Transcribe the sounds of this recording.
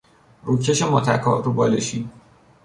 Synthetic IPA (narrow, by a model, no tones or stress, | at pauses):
ɾuːcʰeʃemɒːt̪ʰæ̰kʰɒ̰ːɾubɒːleʃiː